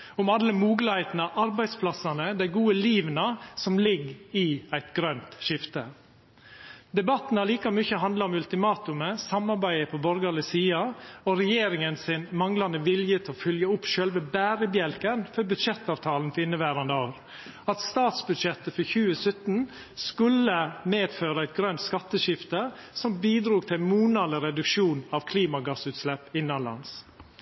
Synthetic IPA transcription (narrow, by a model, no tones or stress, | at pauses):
ʊmɑlːəmuːɡləhæɪt̪nɑʔɑɾbæɪspʰlɑsɑnəd̪æɪɡuːəliːʋnəsɔmlɪɡɪæɪt̪ɡɾœnt̪ʃɪft̪ə | d̪ɛbɑt̪n̩ɑliːkɑmʉçəɦɑnd̪lɑɾɔmʉlt̪ɪmɑːt̪ʉməsɑmɑɾbæɪəpʰɔbɔɾɡɑlɪsiːɑɔɾɛjeːɾɪŋənsɪnmɑŋlɑnəʋɪljət̪ʰɛɔfœljəʊpːʃœlʋəbæːɾəbjɛlkənfɔɾbʉd̪ʂɛt̪ːɑːʋt̪ʰɑːln̩fɔɾɪnːəbæːɾɑnd̪əoːɾ | ɑt̪st̪ɑːt̪sbʉd̪ʂɛt̪ːəfɔɾçʉːəsœt̪n̩ | skʉləmeːd̪føːɾəæɪt̪̚ɡɾœnt̪skɑt̪ːəʃɪft̪əsɔmbiːd̪ɾuːɡ̚t̪ʰɪlmuːnɑləɾɛd̪ʉkʂuːnɑʋkʰliːmɑɡɑsʉːt̪slɛpːɪnːɑlɑ̰ns